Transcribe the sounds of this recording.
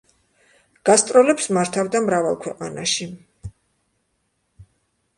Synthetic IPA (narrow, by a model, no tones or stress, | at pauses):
ɡ̥ast̪ʼɾɔlɛpsmaɾt̪ʰavd̪amɾava̰lˠkʰwɛqʼana̰ʃi